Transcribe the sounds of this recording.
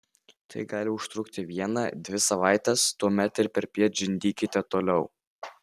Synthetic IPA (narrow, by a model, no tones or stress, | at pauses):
t̪ʰɐ̰ɪɡɑːlʲɪʊʃt̪ɾʊkt̪ʲɪʋʲiɛnɑd̪ʲʋʲɪsɐʋɑˑɪt̪ʲɛst̪uɔmʲɛt̪ɪɾpʲɛɾpʲiɛt̪̚d͡ʒʲɪnʲd̪ʲiːkʲɪt̪ʲɛt̪oːlʲɛʊ